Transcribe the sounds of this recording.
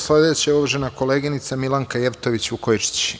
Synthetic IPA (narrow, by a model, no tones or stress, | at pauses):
sle̞d̪et͡ɕaoʋaʒenako̞le̞ːɡinit̪samilaŋkaje̞ʋt̪o̞ʋit͡ɕukojt͡ʃi̥t͡ɕi̥